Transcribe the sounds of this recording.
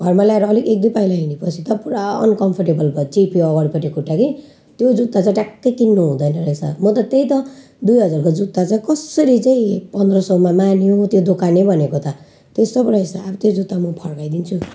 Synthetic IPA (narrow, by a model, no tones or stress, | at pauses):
ɡʱʌrmalaeɾʌːlikek̚d̪upaijlaɦinepʌt͡sʰit̪ʌpuɾaʌ̰nkʌmpʰʌrʈebʌlbʌt͡sipʰiʌɣʌɾipʌʈikuʈːaki | t̪jod͡zut̪ːat͡saĩʈakːʌjkinːuɦũd̪ʌjnʌɾʌesʰa̰mʌt̪ʌt̪eit̪ʌ | d̪ujɦʌd͡zarkod͡zut̪ːat͡saĩkʌsʌɾit͡saĩpʌnd̪rʌsʌumamanjot̪jod̪okanebʱʌnekot̪ʌ | t̪est̪ʌpɾʌesaabʌt̪jod͡zut̪ːamʌpʰʌrkajd̪int͡sʰu